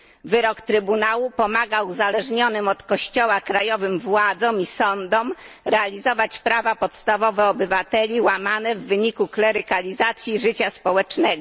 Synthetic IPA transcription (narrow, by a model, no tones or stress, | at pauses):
vɘɾɔkt̪ɾɘbunawupɔmaɡawuzalɛʐɲɔnɘmɔt̪kɔɕt͡ɕɔwakɾajɔvɘmvwad̪zɔ̃misɔnd̪ɔm | ɾɛalʲizɔvat͡ɕpɾavapɔt̪st̪avɔvɛɔbɘvat̪ɛlʲiwamanɛvːɘɲikuklɛɾɘkalʲizat̪sʲjiʐɘt͡ɕaspɔwɛt͡ʂnɛɡɔ